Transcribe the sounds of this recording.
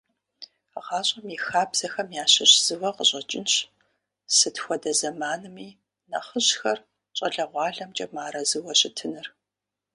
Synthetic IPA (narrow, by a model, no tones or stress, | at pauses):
ʁɑːɕʼɐmixaːbz̥ɐxɐmjaːɕɐɕz̥ɨwɐqəɕʼɐt͡ʃʼɪnɕ | sɨtxʷɔdɐzɐmaːnɨmiː | nɐ̰χəɕxɐr | t͡ʃʼɐɮɐʁʷɑːɮɐmt͡ʃʼɐmaːɾɐzɨwɐɕɪtʰɨnɨr